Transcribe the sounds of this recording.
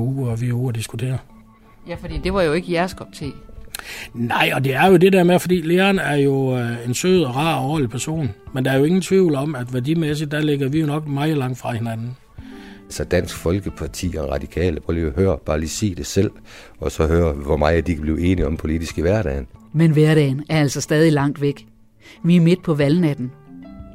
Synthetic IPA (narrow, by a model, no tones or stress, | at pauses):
uːɒʋiuːɐd̥isɡ̥ut͡sʰe̝̰ːɐ | jæfɒd̥ḭːd̥e̝ʋɑ̈jo̝e̝ɡ̥əjæɐskʰɒ̽b̥t͡sʰe̝̰ː | nɑ̈ɪ̰ɒ̽d̥e̝æɐjo̝de̝d̥eɐmefɒ̽d̥ḭːle̝ːɐnæɐjo̝e̝nsø̰ːð̞̩ˠɒʁɑ̰̈ːɒ̰ːlipʰæɐso̝̰ːnmend̥ɑ̈æɐjo̝e̝ŋn̩t͡sʰʋiʊ̰lɒ̽mæd̥ʋæɐdimes̬id̥ːæleɡ̥ɐʋijo̝nɒ̽ɡ̥mɑ̈ɪð̩ˠlɑ̈ŋ̰d̥fʁɑ̈he̝nænn̩ | ælsɒd̥æn̰sɡ̥fɒ̽lɡ̥əpʰɑ̈t͡sʰḭːɒʁɑ̈d̥ikʰɛ̰ːləpʰʁɔioɦøːɐb̥ɑ̈ːliːsḭːd̥e̝sel̰ | ɒ̽sɒ̽ɦøːɐʋɒmɑ̈ɪd̥ikʰæb̥liːe̝ːniɒ̽mpʰo̝lid̥isɡ̥əʋæɐɾ̥ɛ̰ːnmenʋæɐɾ̥ɛːnæɐæl̰sɒsd̥ɛːðˠilɑ̈ŋ̰d̥ʋeɡ̥ | ʋiæɐme̝d̥̚pʰɒ̽ʋæln̩æd̥n̩